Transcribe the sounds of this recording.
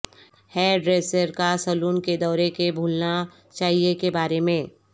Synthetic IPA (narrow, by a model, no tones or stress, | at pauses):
hɛɖɾeːsəɾkasɐluːnked̪ɔːɾekebʱuːlna | t͡ʃaːɦiekebaːɾemẽː